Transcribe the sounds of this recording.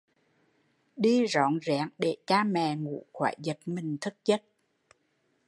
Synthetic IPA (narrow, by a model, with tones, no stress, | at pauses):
ɗi˧zɔ̰˧˨˦nzɛ̰ː˧˩˥ŋɗe˧˩t͡ɕaː˧mɛ˨˩ŋṵ˧˥xwaː˧˩˦jzə˨˩t̚mï˨˩ŋ̟t̪ʰɨ˦˥k̚ɲə˦˥t̚